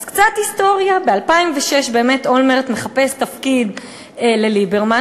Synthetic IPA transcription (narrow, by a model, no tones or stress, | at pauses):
zkt͡sathisto̞ʁjabealpaimveʃeʃbe̞ːmetolmeʁt̪me̞χapest̪afkid̪ | lelibeʁma